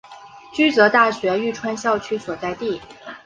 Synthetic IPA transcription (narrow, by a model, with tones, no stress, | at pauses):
t͡ɕy˥t͡sɤ˧˥t̪a˥˩ɕɥɛ˧˥y˥˩ʈ͡ʂʰwa˥nɕjɑ˥˧ʊt͡ɕʰy˥swɔ˨˩t͡sa˥˧ɪt̪i˥˩